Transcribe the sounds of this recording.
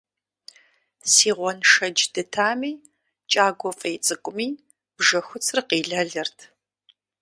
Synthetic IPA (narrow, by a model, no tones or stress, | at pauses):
siːʁʷɔnʂɐd͡ʒdɨtʰaːmiː | t͡ʃʼaːɡʷɔfʼɐjt͡sʼɨkʷʼʊmiː | b̥ʒɐxʷʊt͡sʰrɨqiːɮɐɮɐrtʰ